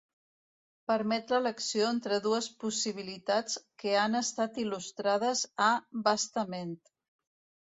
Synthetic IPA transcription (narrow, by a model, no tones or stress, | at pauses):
pəɾmɛt̪lələksioent̪ɾəðuəspusiβ̞ilit̪at͡skəanəst̪at̪ilust̪ɾað̞əzabast̪əment̪